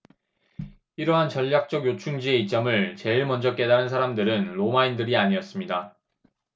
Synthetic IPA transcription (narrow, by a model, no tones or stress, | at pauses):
iɾʌɦant͡ɕʌʎːak̚t͡ɕ͈ʌɡjot͡ɕʰuŋd͡ʑie̞it͡ɕ͈ʌmɯɭt͡ɕe̞iɭmʌnd͡ʑʌk͈e̞daɾɯns̬ʰaɾamdɯɾɯnɾomaindɯɾiaɲiʌs͈ɯmɲida